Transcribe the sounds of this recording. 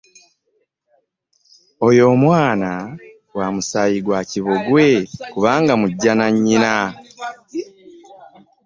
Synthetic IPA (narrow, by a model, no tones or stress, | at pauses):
o̞jo̞ːmwaːna | waːmusajiɡwaːciβoɡwe̞kuβaːŋɡamuɟːanaɲːina